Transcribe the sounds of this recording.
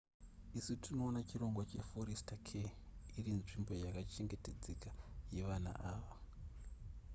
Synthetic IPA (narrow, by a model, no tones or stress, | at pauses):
isutino̞ːnat͡ʃiro̞ŋɡwat͡ʃe̞fo̞ɾistakʰeirinʐimbo̞jakat͡ʃe̞ŋɡe̞te̞d͡zekaje̞ʋana̰ʔaːʋa